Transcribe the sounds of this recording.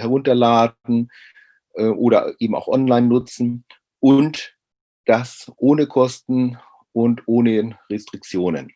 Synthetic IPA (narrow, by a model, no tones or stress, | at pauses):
hɛʁʊntɐlaːdn̩ | ʔɛːʔoːɾɐ̰ʔeːbm̩a̰ʊxʔɔnlaɪnːʊt͡sn̩ | ʔʊnt | d̥asʔoːnəkʰɔstn̩ | ʊntʔoːnəʁɛstʁ̥ɪk̚t͡sjoːnə̰n